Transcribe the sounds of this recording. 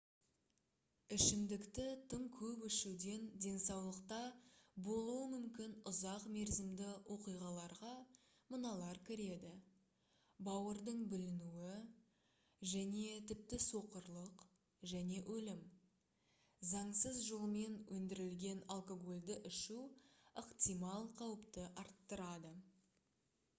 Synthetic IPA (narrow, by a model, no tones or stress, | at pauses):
ɪʃɪmd̪ɪkt̪ɪt̪ʰəɴkʲʰɵpɪʃuwd̪e̞nd̪e̞nsɑwlˠəqt̪ɑbo̞lˠuəmʏmkʲɪnʊzɑqme̞ɾzɪmd̪ɪwʔo̞qijʁɑlˠɑɾʁɑ | mənɑlˠɑɾkʲʰɪɾe̞d̪ɪ | bɑwəɾd̪əɴbɪlɪnuwɪ | ʒæne̞t̪ʰɪp̚t̪ɪso̞qəɾlˠəq | ʒæne̞ʔɵlɪm | zɑɴsəzʒolˠme̞nwʔɵnd̪ɪɾɪlɡʲe̞nalˠko̞ɡo̞lʲd̪ɪʔɪʃuəqt̪ijmɑlˠqʰɑwəpt̪əʔɑɾt̪ːəɾɑd̪ə